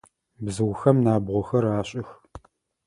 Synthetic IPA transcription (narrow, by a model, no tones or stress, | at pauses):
bzɨwxɐmnaːbʁʷɔxɐraːɕʼɪx